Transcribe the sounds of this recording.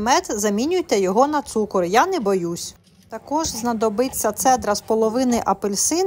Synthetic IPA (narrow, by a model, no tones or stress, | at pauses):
mɛt̪zɐmʲinʲʊjt̪ɛjɔɦɔnɐt̪sukɔɾjanɛbɔjusʲ | t̪ɐkɔʒznɐd̪ɔbɪt͡sʲːɐt̪sɛd̪ɾɐspɔlˠɔʋɪnɪʔɐpelʲsɪn